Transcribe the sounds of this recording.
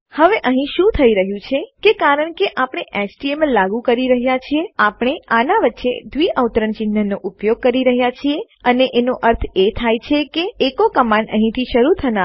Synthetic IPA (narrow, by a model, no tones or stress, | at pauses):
həʋeʔəɦĩʃũt̪ʰəiɾəɦjũt͡ʃʰekekaɾəɳkeʔapəɽ̃eʔɛt͡ʃʈieməlaɡũkəɾiɾəɦjat͡ʃʰieapɳ̃eanaʋət̪ːʃḛd̪ʋiəwt̪ɾənt͡ʃinːənːoʔupjoɡ̚kəɾiɾəɦjat͡ʃʰie | əneʔenoʔəɾt̪ʰet̪ʰajt͡ʃʰekeːkokəmanəɦĩt̪ʰiʃəɾut̪ʰəna